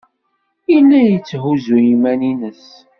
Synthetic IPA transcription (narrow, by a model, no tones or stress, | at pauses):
ilːæjət͡sːɦuzujimæninəs